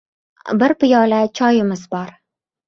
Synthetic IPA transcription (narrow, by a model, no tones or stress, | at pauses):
bɪɾpɪjɒlat͡ʃʰɒjɪmɪzbɒɾ